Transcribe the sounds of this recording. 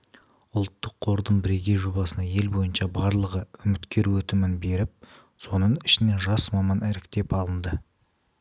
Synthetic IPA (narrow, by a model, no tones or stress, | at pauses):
ʊlˠt̪ːəqʰːo̞ɾd̪əɴbɪɾe̞ɡʲe̞jʒo̞bɑsənɑje̞lbo̞jənʃɑbɑɾlˠəʁəʏmɪt̪kʲe̞ɾuwɵt̪ɪmɪnbe̞ɾɪp̚ | so̞nəɴɪʃɪne̞ʒɑsmɑmɑnæɾɪkt̪e̞pɑlˠənd̪ə